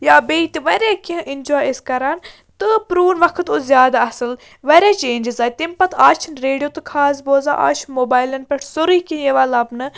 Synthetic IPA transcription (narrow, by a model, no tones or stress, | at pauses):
jaːbeːit̪iʋɐɾeːkiɐ̃ʔinʲd͡ʒoːjskɐɾaːn | t̪ɨpɾuːnʋɐkʰɨt̪ozjaːd̪aɐsɨl | ʋɐɾʲeːt͡ʃeːnʲd͡ʒizaːt̪impɐt̪ʰaːt͡ʃʰinɾeːɖijoːt̪ɨkʰaːzboːza̰ːʔa̰ːt͡ʃʰnmoːbaːjlɐnpʲeʈʰsoɾikijeʋɐːlɐbnɨ